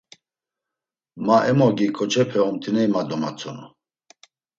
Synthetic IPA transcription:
maʔɛmɔɡikʼɔt͡ʃʰʼɛpʰɛɔmt̪ʰinɛimad̪ɔma̰t͡sʰʼɔnɔ

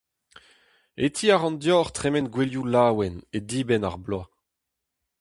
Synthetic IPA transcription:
et̪ʰiːaʁɑ̃ndjɔːʁt̪χɛmɛnɡweljulaːwɛned̪iːbɛna̰ʁbla

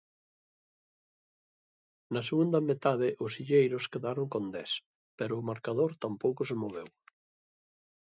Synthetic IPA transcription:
nɐseɣund̪ɐmet̪aðɪʔʊsiʎejɾʊskeðaɾoŋkond̪ɛs | pɛɾʊːmaɾkaðoɾt̪ampowkʊsemoβ̞ew

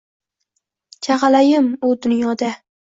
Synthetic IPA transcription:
t͡ʃʰaʁɑlajɪmʊd̪ʊnjɒd̪a

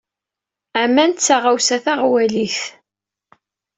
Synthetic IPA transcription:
æmænt̪t͡sːaʁawsæθaʁwæliθ

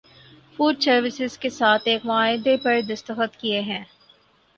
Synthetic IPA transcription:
fuːɖsɐɾʋɪsɪzkesaːt̪ʰeːkmaːɪd̪epɐɾed̪ɐst̪əxət̪kieɦɛ̃ː

